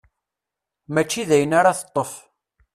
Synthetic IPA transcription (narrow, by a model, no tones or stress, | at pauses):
mæt͡ʃːiðæjənaɾaθə̥t̪ˤːəf